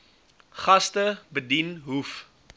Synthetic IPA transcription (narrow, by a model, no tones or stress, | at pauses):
χɐstəbədinɦuf